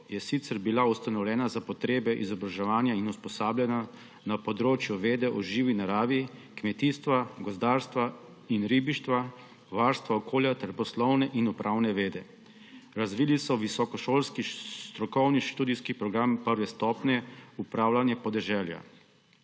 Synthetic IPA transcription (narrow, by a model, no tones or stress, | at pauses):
jɛsit̪sɛɾbilaust̪anɔwlʲɛːnazapɔt̪ɾeːbɛʔḭzɔbɾaʒɛʋaːnjainuspɔsaːbljɛna | napɔd̪ɾoːt͡ʃjuʋeːd̪ɛʔɔʒiːʋinaɾaːʋikmɛt̪iːst̪ʋaɡɔzd̪aːɾst̪ʋa | inɾiːbiʃt̪ʋa | ʋaɾst̪ʋaɔkʰoːljat̪ɛɾpɔslɔwnɛʔinɔpɾʔaːwnɛʋeːd̪ɛ | ɾazʋiːlisɔʋisɔkɔʃoːlskist̪ɾɔkɔwniʃt̪uːd̪iskipɾɔɡɾampəɾʋɛst̪ɔːpnɛupɾaːwlanjɛpɔd̪ɛʒɛːlja̰